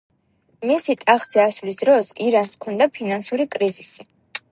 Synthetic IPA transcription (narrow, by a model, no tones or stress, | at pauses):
misit̪ʼaχzɛasvlisd̪ɾɔsiɾanskʰɔnd̪apʰinansuɾikʼɾizisi